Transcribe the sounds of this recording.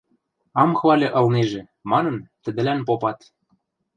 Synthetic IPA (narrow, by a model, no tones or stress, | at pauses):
ɑmxβɑlʲɤ̆ʔɤ̆lneʒĕ | mɑnɤ̆nt̪ə̆d̪ɘ̆lænpopɑt̪